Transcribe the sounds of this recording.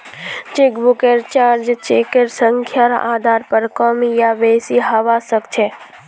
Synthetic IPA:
t͡ʃekbʊkeɾt͡ʃaːɾd͡ʒt͡ʃekeɾsəŋkʰjaɾ̰ʔaːd̪ʱaːɾpəɾkɔmijaʋeːsiɦɐʋasəkt͡ʃʰe

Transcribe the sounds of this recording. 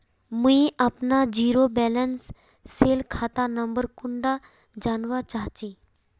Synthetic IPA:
muiʔɐpnad͡ʒiːɾobɛːlənsː | eːlkʰaːt̪anɐmbəɾkʊɳɖa | d͡ʒaːnʋat͡ʃaːɦt͡ʃiː

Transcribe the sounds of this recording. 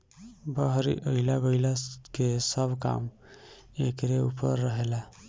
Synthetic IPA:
bəɦɾḭʔəɪlaɡəɪlakesəbka̰m | ekɾeupə̰ɾːəɦela

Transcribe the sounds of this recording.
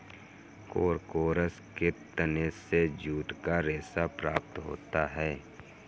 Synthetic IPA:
koːɾkoːɾəsket̪ənesed͡ʒuːʈkaɾeːsapɾaːpt̪ɦo̰ːt̪aɦɛː

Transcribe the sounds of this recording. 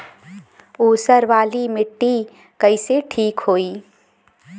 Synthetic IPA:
uːsəɾʋaːlimɪʈːi | kəɪseʈʰiːkɦoːiː

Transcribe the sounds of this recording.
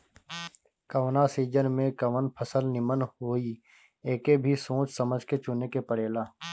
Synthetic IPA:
kəʋnasiːd͡ʒənmẽkɐʋənpʰəsəlnɪmənɦoːi | eːkebʱisõːt͡ʃsəməd͡ʒʱket͡ʃʊnekepəɽeːlaː

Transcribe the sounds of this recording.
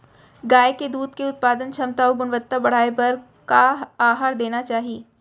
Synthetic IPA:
ɡaːeked̪uːd̪keʊt̪̚paːd̪ənt͡ʃʰɐmt̪aːoɡʊnʋət̪ːabɐɽ̤aːepɐɾ | kaaːɦaːɾd̪eːnat͡ʃaːɦieː

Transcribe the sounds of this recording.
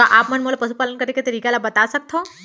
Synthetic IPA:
ɔʔaːpmənmolapəsupaːlənkəɾeket̪əɾiːkelabɐt̪asək̚t̪ʰo

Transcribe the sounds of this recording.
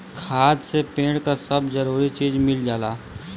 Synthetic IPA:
kʰaːd̪sepẽːɽkasəbd͡ʒəɾuːɾit͡ʃiːd͡ʒmɪld͡ʒaːlaː

